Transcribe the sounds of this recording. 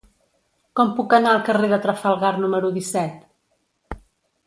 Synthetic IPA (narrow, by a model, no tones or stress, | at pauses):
kɔmpukənaəlˠkəreðət̪ɾəfəlˠɣaɾnuməɾuðisɛt̪